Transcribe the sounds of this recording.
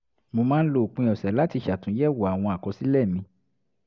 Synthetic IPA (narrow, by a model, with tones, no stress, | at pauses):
mo˧mãː˦n̩˦lo˧˨k͡pĩ˧ɔ˨sɛ˨la˦ti˧ʃa˨tũ˨˦jɛ˦˨wo˨a˨w̃ɔ̃˧a˨kɔ˨˧˦si˦lɛ˦˨mĩ˧